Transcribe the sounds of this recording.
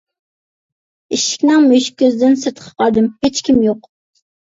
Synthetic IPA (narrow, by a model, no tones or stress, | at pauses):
iʃɪ̥kʲnɨŋmøʃkʲʰøzd̪ɪnsɨɾt̪qʰə̥qʰɑɾd̪ɨmhet͡ʃkʲʰimjoq